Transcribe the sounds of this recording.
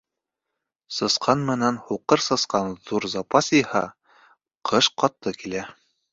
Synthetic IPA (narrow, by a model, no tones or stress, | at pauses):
sɤ̆sqʰɑnmɘ̆nænhuqɤɾsɤ̆sqɑnðuɾzɑpɑsihɑ̰ | qʰɤʃqɑt̪ːɤkilæ